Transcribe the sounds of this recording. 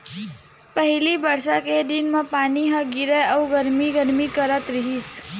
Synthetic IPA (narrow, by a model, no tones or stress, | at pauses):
pəɦilibəɾsaked̪inmãpaniɦə̃ɡiɾəəuɡəɾmiɡəɾmikəɾət̪ɾiɦis